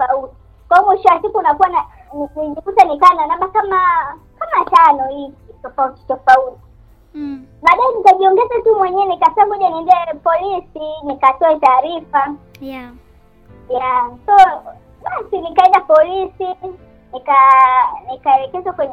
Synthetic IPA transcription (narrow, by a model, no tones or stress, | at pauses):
fauti̥ | kwaɔmwiʃɔwasikuːnakuwana | niniʄifutanikanɔnaɓakama | kamat͡ʃanɔhikitɔfauti̥tɔfauti | ɓaːɗaɛnikaʄiɔŋɡɛzatumwɛɲɛːnikatɔamɔʄaniɛndɛpɔlisinikatɔɛtaːɾifa | jasɔ | ɓasinikaɛndapɔlisi | nikanikaɛɾɛkɛzwakwɛɲɛ